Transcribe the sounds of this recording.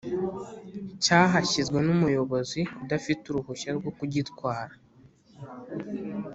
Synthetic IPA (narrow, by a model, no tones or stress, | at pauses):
caːɦaçizɡwe̞numujo̞βo̞ziudafituɾuhuʃaɾɡo̞kuɟitkwaːɾa